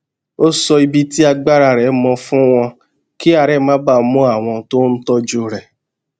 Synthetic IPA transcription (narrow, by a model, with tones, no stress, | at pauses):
o˦sɔ˧i˧bi˦ti˦a˧ɡ͡ba˦ɾa˨ɾɛ˨˦mɔ̃˧fũ˦w̃ɔ̃˧ | ki˦a˨ɾɛ˦mã˦ba˦˨˦mũ˦a˦˨w̃ɔ̃˧to˦n̩˦tɔ˦d͡ʒu˧˦ɾɛ˨